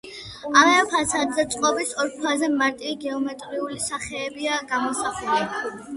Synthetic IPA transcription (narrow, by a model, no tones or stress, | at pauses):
alaapʰasad̪zɛt̪sʼqʼɔbisɔɾkʰwazɛmaɾt̪ʼiɡɛɔmɛt̪ʼɾiulisaχɛːbiaɡamɔsaχuli